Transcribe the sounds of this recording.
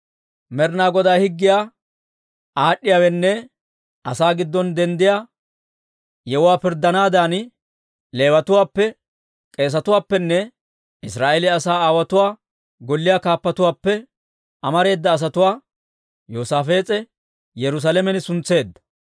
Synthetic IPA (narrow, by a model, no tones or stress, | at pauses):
mɛɾnaːɡɔd̪aːhɪɡːɪjaː | ʔaːɗːɪjaːwɛnːɛ | ɐsaːɡɪd̪ːɔnd̪ɛnd̪ɪjaː | jɛwʊwaːpɪɾd̪ːɐnaːd̪aːn | le̞ːwɐt̪ʊwaːpːɛ | kʼe̞ːs̬ɐt̪ʊwaːpːɛnːɛ | ʔɪsɾaːʔeːlɪɐsaːaːwɐt̪ʊwaː | ɡɔlːɪjaːkaːpːɐt̪ʊwaːpːɛ | ʔɐmɐɾe̞ːd̪ːɐːs̬ɐt̪ʊwaː | joːsaːfe̞ːt͡sʼɛ | jɛɾʊs̬aːlɛmɛnɪsʊnt͡sːe̞ːd̪ːɐ̥